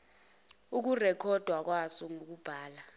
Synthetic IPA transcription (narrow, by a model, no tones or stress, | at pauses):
uk̬urɛkʰɔd̥ʱwak̬wasɔŋok̬ub̥ʱaːla